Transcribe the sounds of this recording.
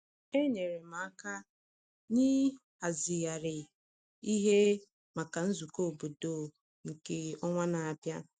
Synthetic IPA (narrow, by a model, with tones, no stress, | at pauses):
e˦ɲe˨ɾe˨ma˨a˦ka˦ | ɲi˦ | a˨zi˨ja˨ɾɪ˨ | i˦ɦe˦ | ma˨ka˨n̩˦zu˨ko˦o˨bo˨do˦˨ | ŋ̩˨ke˦ɔ˦ŋʷa˦na˨a˨pja˦